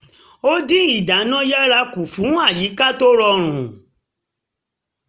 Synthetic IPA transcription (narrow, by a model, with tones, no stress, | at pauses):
o˦di˦i˦˨da˨˦nã˦ja˦ɾa˧ku˨fũ˨˦a˦˨ji˨˦ka˦to˦ɾɔ˧ɾ̃ũ˨